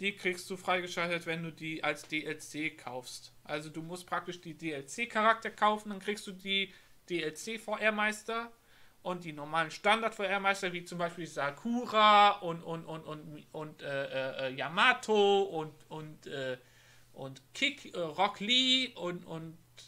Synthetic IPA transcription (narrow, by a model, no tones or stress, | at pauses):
d̥iːkʁ̥iːkstd̥uːfʁ̥aɪɡəʃaltətv̥ɛnduːdiːʔalsd̥eːʔɛlt͡seːkʰaʊfstʔalzoduːmʊst̚pʁ̥ak̚tɪʃd̥iːdeːɛlt͡seːkʰaʁak̚tɐɐkʰaʊfn̩d̥ankʁ̥iːkstd̥uːdiː | d̥eːɛlt͡seːfɔːʔeːɐmaɪstɐ | ʔʊnt̚d̥iːnɔɐmaːlənʃtandaɐtfɔːɐʔeːɐmaɪstɐviːt͡sʊmbaɪʃpiːlzakʰuːʁaʔʊntʊnʊnʊntʊntʔɛːʔɛːʔɛːjamaːtʰoʊntʊntʔɛː | ʔʊntkʰɪkɛʁɔkliːʔʊnʔʊ̰nt